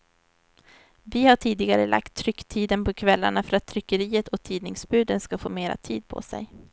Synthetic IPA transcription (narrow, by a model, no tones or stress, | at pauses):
vɪhaʈʰiːd̪ɪɡaɾə̰lʔa̰k̚t̪ʰːɾʏkːt̪ʰiːd̪ənpʰɔkʰvɛlːaɳafœɾat̪ʰːɾʏkːəɾiːət̪ɔt̪ʰiːd̪nɪŋsbʉ̟ːd̪ənskafoːmeːɾa̰t̪ʰiːd̪̚pʰɔ̰sɛ̰j